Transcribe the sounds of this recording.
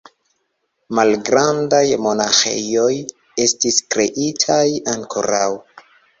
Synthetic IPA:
malɡɾandajmo̞naxḛjo̞j | e̞stiskɾe̞ʔitʰajaŋkʰo̰ɾaw

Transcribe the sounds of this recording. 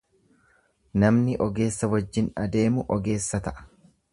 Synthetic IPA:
nɐmnɪʔɔɡe̞ːsːɐwɐd͡ʒːɪnɐd̪e̞ːmʊʔɔɡe̞ːsːɐt̪ɐʔɐ̥

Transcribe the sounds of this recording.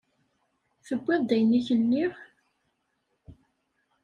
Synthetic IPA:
θəbʷːɪðˤd̪æjnːiçənːiʁ

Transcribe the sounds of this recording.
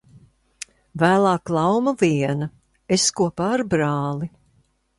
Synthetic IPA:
væːlˠɑːklˠawmɐviɛnɐ | eskuɔpaːɾbɾɑːlˠi

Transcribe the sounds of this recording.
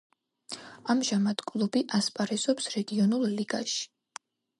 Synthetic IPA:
amʒamad̪̥kʼlˠubiʔaspʼaɾɛzɔpsɾɛɡiɔnulˠliɡaʃi̥

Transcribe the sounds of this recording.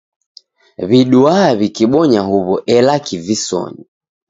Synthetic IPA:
βiɗuaβikiɓɔɲaɦuβɔʔɛlakivisɔ̰ɲi

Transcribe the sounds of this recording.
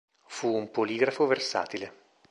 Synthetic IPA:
fuːmpoliːɡɾafoversa̰ːt̪ile

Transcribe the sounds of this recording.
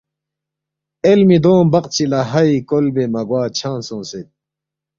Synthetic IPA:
elmid̪õːmbɐqt͡ɕʰilɐɦɐikolbemɐɡwaːt͡ɕʰãːnsõːset̪̚

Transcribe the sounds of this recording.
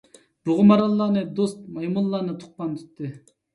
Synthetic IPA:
b̥ʊʁʊmɑɾɑlˠːɑːnɨd̪ost̪̚mɑjmulˠːɑːnɨt̪ʰʊ̥q̚pɑnt̪ʰy̥t̪ːɪ

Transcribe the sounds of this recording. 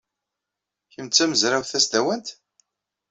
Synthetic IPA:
çəmt͡sːæməzɾawθæsd̪æwənt̪

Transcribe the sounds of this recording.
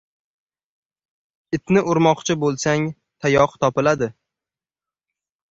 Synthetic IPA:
ɪt̪nɪʔʊɾmɒqt͡ʃʰɪbolˠsaŋ | t̪ʰajɒqt̪ʰɒpɪlad̪ɪ

